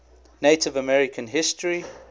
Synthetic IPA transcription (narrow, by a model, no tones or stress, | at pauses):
netɪvəmɛɹɪkʰə̃nɦɪstɹi